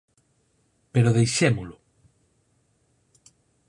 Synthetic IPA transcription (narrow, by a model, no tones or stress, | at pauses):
peɾoðejʃemʊlʊ